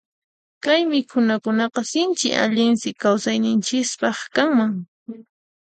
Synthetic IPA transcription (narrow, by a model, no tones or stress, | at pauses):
kajmɪkʰʊnakʊnɑqɑsɪnt͡ʃɪ̰ʔa̰ʎɪnsɪkawsajnɪnt͡ʃɪspɑχkaŋmaŋ